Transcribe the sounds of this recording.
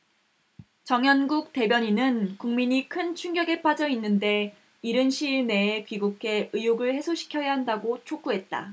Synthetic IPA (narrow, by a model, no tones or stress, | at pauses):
t͡ɕʌŋjʌnɡuk̚t͈e̞bjʌɲinɯnkuŋmiɲikʰɯnt͡ɕʰuŋɡjʌɡep͈ad͡ʑʌinːɯnde̞ | iɾɯnɕʰiɭne̞ːpiɡukʰe̞ʔɯjuɡɯɭhe̞sʰoɕʰi̥kʰjʌjaɦandaɡot͡ɕʰok͈uɦe̞t̚t͈a̰